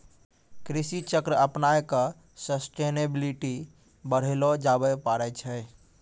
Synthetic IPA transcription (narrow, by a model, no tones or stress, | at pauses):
kɾisit͡ʃəkɾəəpnajkə | səsʈenebiliʈi | bəɽ̤elod͡ʒabɛpaɾɛt͡ʃʰɛ